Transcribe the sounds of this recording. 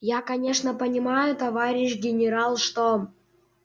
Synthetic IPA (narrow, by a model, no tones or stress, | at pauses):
jakɐnʲeʂnəpənʲɪmajʊt̪ɐvaɾʲɪɕɡʲɪnʲɪɾalˠʂt̪om